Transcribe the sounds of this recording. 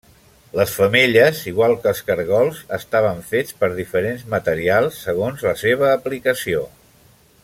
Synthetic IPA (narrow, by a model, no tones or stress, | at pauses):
ləsfəmeʎəziɣwalˠkəlˠskəɾɣɔlˠzəst̪aβ̞əɱfet͡spəɾðifəɾenzmət̪əɾialˠsːəɣ̞onzləseβ̞əːplikəsio